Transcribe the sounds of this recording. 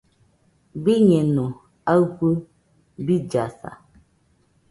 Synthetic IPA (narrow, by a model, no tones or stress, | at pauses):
biɲɛnũ | aɣu | bid͡ʒasa̰